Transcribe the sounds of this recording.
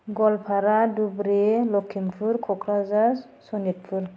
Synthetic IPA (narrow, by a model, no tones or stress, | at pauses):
ɡɔlpʰaɾadubɾelɔkʰːimpʰuɾkʰɔkɾaza | sɔnit̚pʰuɾ